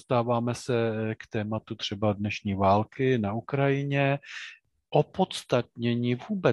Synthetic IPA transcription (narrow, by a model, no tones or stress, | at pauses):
st̪aːvaːmɛsɛkt̪ɛːmat̪ut̪r̥ɛbadnɛʃɲiːvaːlkɪnaukɾajɪɲɛ | ʔopot̪st̪at̪̚ɲɛɲɪːvuːbɛ